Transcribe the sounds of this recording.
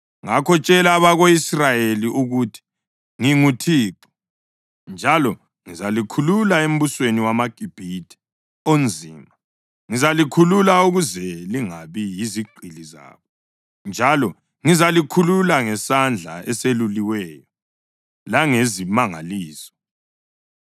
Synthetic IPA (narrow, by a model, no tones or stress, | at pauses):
ŋakʰɔt͡ʃʼɛlaːβaɣoisrajeliʔuɣutʰi̥ | ŋiŋutʰiːǃu̥ | nd͡ʒʱalɔ | ŋizalikʰululaem̩βusweniwamaɡ̥ʼʱib̥ʱitʰʼi̥ | ond͡zʱiːma | ŋizalikʰululauɣuzɛliŋaβijiziɡ͡ǃʱiliza̰ːβɔ | nd͡ʒʱalɔ | ŋizalikʰululaŋɛsand͡ɮʱa̰ɛseluliwɛjɔ | laŋezimaŋa̰liːsɔ̥